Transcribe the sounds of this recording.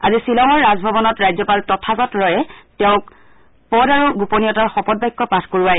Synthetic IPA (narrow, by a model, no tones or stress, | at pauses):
azisilɔŋɔɹːazbʱɔbɔnɔtɹajzɔpaltɔtʰaɡɔtɹɔjɛtɛʊ̃k | pɔdaɹuɡuponijɔtaɹxɔpɔd̚bajkːɔpatʰkoɹuaj